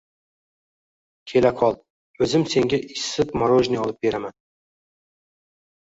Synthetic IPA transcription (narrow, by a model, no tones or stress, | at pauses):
kʲʰe̞lakʰɒlˠ | ɵzɪmse̞ŋʲaʔɪsɪpmaɾoʒnɪɒlˠɪp̚be̞ɾaman